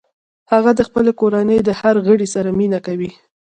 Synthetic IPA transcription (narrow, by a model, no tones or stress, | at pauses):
haɣad̪əxpəlekoɾanəjd̪əhaɾɣəɽisaɾaminakawi